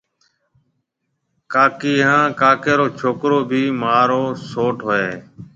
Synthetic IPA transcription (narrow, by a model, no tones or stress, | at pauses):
kaːkiːɦãːkaːkeːɾoːt͡ʃʰoːkɾoːbʱiːmaːɾoːsoːʈɦoːeː